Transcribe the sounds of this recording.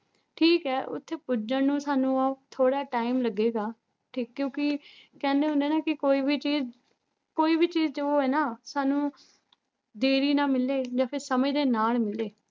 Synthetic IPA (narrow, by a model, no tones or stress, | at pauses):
ʈʰiːkɛːʔʊ̰t̪ʰːeːpʊd͡ʒənũːsaːnũːaːt̪ʰoːɽaːʈaːimləɡːeːɡaː | ʈʰiːkːjõːkɪkɛ̃ːnd̪eːɦʊnd̪eːnaːkɪkoːiːbiːt͡ʃiːz | koːiːbʱiːt͡ʃiːzd͡ʒeoːɛːnaːsaːnũː | d̪eːɾiːnãːmɪleːd͡ʒaːpʰɪɾsəmiːd̪eːnaːlmɪleː